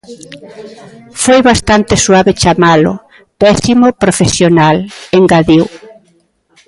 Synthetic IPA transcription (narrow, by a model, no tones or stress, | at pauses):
fojβast̪ant̪ɪswaβet͡ʃamalʊ̰ | pɛsimopɾofesjonaleŋɡaðiw